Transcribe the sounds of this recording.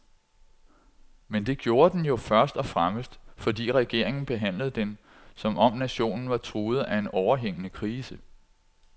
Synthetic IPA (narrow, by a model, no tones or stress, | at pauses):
mend̥e̝ɡ̥jo̝ːɐd̥enjo̝fɶɐsd̥ɒ̽fʁaməsd̥fɒ̽d̥ḭːʁɛɡ̥e̝̰ɐ̰eŋn̩b̥e̝ɦæn̰ləð̞̩ˠd̥en | sɒ̽mʔɒ̽mnæɕo̝̰ːnn̩ʋɑ̈t͡sʰʁuːð̞̩ˠæe̝nɒʊɐɦeŋ̰ənəkʰʁiːsə